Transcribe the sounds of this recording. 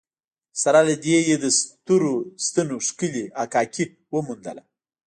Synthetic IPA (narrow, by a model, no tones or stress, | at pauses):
saɾalad̪ejed̪əst̪uɾost̪ənoʂkəliakɑki | wəmund̪ə̰la̰